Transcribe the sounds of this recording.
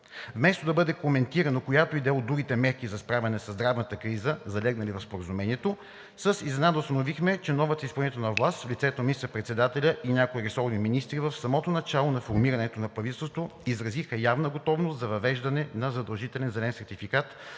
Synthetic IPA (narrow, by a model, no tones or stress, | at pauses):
vmɛst̪od̪ɐbɤd̪ɛkomɛnt̪iɾɐnokojat̪oid̪ɛod̪ɾuɡ̟it̪ɛmɛɾkizɐspɾavʲɐnɛsəzd̪ɾavnət̪əkɾizəzɐlɛɡnəlivɐfspoɾəzumɛnʲiɛt̪o | səsizɛnad̪əʊst̪ənovixmɛt͡ʃɛnɔvət̪əispəlˠnit̪ɛnɐvlˠast̪vlʲit̪sɛt̪onminist̪əɾpɾɛt̪sɛd̪at̪ɛlʲəʔiɲʲjakoiɾisɔvniminist̪ɾivəfsɐmɔt̪onɐt͡ʃalˠonɐfoɾmiɾɐnɛt̪onɐpɾɐvit̪ɛlˠsot̪voizɾɐzixəjavnəɡot̪ɔvnost̪zɐvɐvɛʒd̪ɐnɛnɐzɐd̪ɐlˠʒit̪ɛlɛnzɛlɛnsɛɾt̪ifikat̪